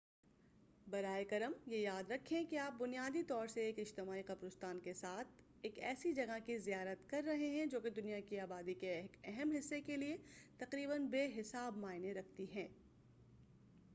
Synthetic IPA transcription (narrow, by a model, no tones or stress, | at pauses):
bɐɾaːekɐɾəmjejaːd̪ɾɐkʰːẽkiaːp̚bʊnijaːd̪it̪ɔːɾseeːkɪd͡ʒt̪ɪmaːiqɐpɾʊst̪aːnkesaːt̪ʰ | eːkɛ̰ːsid͡ʒɐɡakizijaːɾət̪kɐɾːɐɦeɦɛ̃d͡ʒoːked̪ʊnijakiaːbaːd̪ikeeːkɛɦɛmɦɪsːekeliet̪ɐqɾiːbənbeːɦɪsaːbmaːɪnẽɾɐk̚ʰt̪iɦɛ̃ː